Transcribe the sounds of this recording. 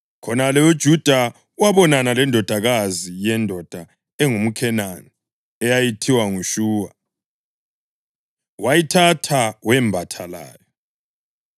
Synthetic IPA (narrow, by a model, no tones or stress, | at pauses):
kʰɔnalɛud̥ʒ̥ʱud̥ʱa | waβɔnanalɛndʱɔd̥ʱaɣazijɛndʱɔd̥ʱa | ɛŋum̩kʰɛnani | ɛjajitʰiwaŋuʃuːwa | wajitʰatʰawɛmbʱatʰala̰ːjɔ